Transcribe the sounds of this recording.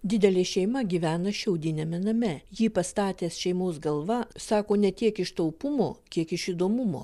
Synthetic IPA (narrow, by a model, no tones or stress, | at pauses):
d̪ʲɪd̪ʲɛlʲeːʃʲɛɪmɐɡʲiʋʲæːnɐʃʲɛʊd̪ʲɪnʲɛmʲɛnɐmʲɛjiːpɐst̪ɑːt̪ʲeːsʃʲɛɪmoːs̬ɡɐlˠʋɐsɑːkoːnʲɛt̪ʲiɛkɪʃt̪ɐʊpʊmo̰ːkʲiɛkɪʃɪd̪oːmʊmo̰ː